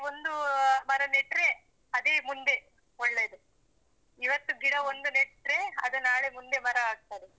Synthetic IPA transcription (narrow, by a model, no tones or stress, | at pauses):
ond̪umɐɾɐneʈɾe̞ | ɐd̪emund̪e̞ | ɔɭːeːd̪u | iʋɐt̪ːuɡiɽɐond̪unɛʈɾe̞ɐ̰d̪ɐnaːɭemund̪e̞mɐɾɐaːɡ̚t̪aːɾe